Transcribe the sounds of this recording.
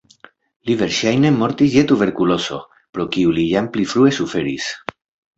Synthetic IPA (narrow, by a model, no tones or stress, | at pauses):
live̞ɾʃajne̞mo̞ɾt̪is̬jet̪ube̞ɾkulo̞so̞̰ | pɾo̞kiulijamplifɾue̞sufe̞ɾis